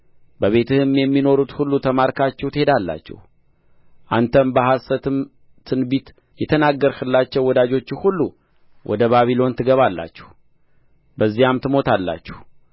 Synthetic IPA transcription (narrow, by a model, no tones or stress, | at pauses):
bəβe̞t̪ʰɨhɨmjɛmːino̞ɾut̪hulːut̪ʰəmaɾkʰat͡ʃːɛwt̪ɨhe̞d̪alːa̰t͡ʃːɛ̰h | ʔant̪ʰəmbəhasət̪ʰɨm | t̪ʰɨnbit̪ | jɛt̪ʰənaɡːəɾkɨlːat͡ʃːɛwːɔd̪ad͡ʒo̞t͡ʃːɪhulːu | wʔɔ̰d̪əβaβilo̞nt̪ʰɨɡəβalːa̰t͡ʃːɛ̥h | bəzːijamt̪ʰɨmo̞t̪ʰalːa̰t͡ʃːɛh